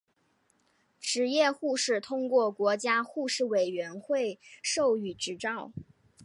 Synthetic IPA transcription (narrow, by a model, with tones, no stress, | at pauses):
ʈ͡ʂɻ̩˧˥jɛ˥˧xu˥˧ʂɻ̩˥˩t̪ʰʊ˥ŋkwɔ˥˩kwɔ˧˥t͡ɕja˥xu˥˧ʂɻ̩˥˩we˨˩ɪɥɛ˧˥nxwe˥˧ɪʂo˥˩ʊy˨˩ʈ͡ʂɻ̩˧˥ʈ͡ʂɑ˥˩ʊ